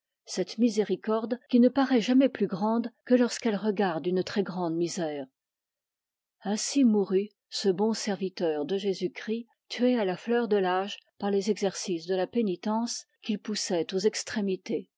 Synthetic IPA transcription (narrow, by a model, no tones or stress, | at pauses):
sɛt̪mizeʁikɔʁd̪kʲinəpaʁɛʒamɛplyɡʁɑ̃d̪kəlɔʁskɛlʁəɡaʁd̪ynt̪χɛɡʁɑ̃d̪mizɛːʁ | ɛ̃simuʁy | səbɔ̃sɛʁvit̪œːʁd̪əʒezykχi | t̪ɥealaflœʁd̪əlaːʒpaʁlezɛɡzɛʁsisd̪əlapenit̪ɑ̃skʲilpusɛt̪ozɛkst̪χemit̪e